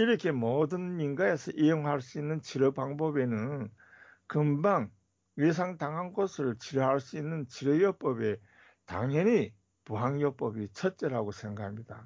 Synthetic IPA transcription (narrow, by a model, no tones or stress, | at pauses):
iɾʌkʰe̞mʌdɯninɡae̞sʰʌʔijoŋɦaɭs͈uinːɯnt͡ɕiɾʌpaŋbʌbe̞nɯnn | kɯmbaŋ | ɥes̬ʰaŋtaŋɦanɡʌsʰɯɭt͡ɕiɾʌɦaɭs͈uinːɯnt͡ɕiɾʌjʌp͈ʌbe̞ | ta̰ŋjʌni | puɦaŋjʌp͈ʌbit͡ɕʰʌt̚t͡ɕ͈e̞ɾaɡosʰe̞ŋɡahʰamɲida